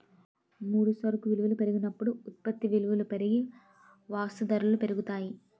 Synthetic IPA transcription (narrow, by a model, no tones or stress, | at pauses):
muːɽusɐɾkuʋiluʋulupeɾuɡunɐpːuɽuut̪̚pɐt̪ːiʋiluʋulupeɾiɡi | ʋaːsud̪ɐɾɐlupeɾuɡut̪aːji